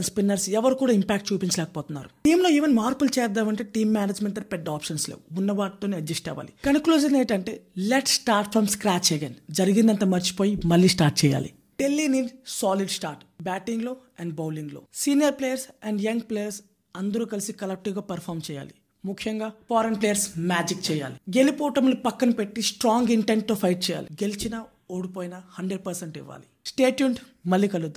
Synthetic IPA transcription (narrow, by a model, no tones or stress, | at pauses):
ɐnspinːɐɾsɛʋɐɾukuːɽaːimpaːk̚ʈ̚t͡ʃuːpint͡ʃɐlɛːkɐ̥pɔːt̪unːa̰ːɾuʈiːmlo̞ːeːʋenimaːɾpult͡ʃɛːjɐd̪ːaːmɐɳʈe̞ːʈiːmːaːnɐd͡ʒmeɳʈɐɾpeɖaːpʂɐnslḛːuunːɐʋaːʈit̪oːniɐd͡ʒd͡ʒɐsʈɛ̰ːʋa̰ːlikɐnkluːd͡ʒɐneːʈɐɳʈe̞̰ːleʈsʈaːɾʈ̚pʰɾɐmskɾaːt͡ʃeɡend͡ʒɐɾiɡind̪ɐnt̪ɐmɐɾt͡ʃi̥poːjimɐlːiːsʈaːɾʈ̚t͡ʃɛːja̰ːlḭ | ɖelːiniːɖsaːliɖsʈaːɾʈbaːʈiŋɡlo̞ːɛɳɖbɐwliŋɡloːsiːnijɐɾplejɐɾsɛɳɖjɐŋɡpleːjɐɾs | ɐnd̪ɐɾuːkɐlisikɐlɐk̚ʈiʋɡaːpɐɾpʰaːɾmt͡ʃɛːja̰ːli | mukʰːjɐŋɡaːpaːɾenplejɐɾsmaːd͡ʒik̚t͡ʃɛːja̰ːliɡelipoːʈɐmlupɐkːɐnipe̞ʈːisʈɾaːŋɡiɳʈeɳʈ̚t̪oːpʰɐjʈ̚t͡ʃɛːja̰ːliɡelit͡ʃinɐ | oːɽipoːjnɐhɐɳɖɾeɖ̚pɐɾseɳʈḭʋːa̰ːli | sʈeːʈjuːɳʈmɐlːiːkɐlɡud̪u